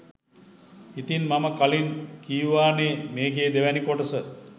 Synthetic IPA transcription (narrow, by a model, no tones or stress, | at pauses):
it̪inmaməkalinkijuʋaːneːmeːɡeːd̪eʋænikoʈəsə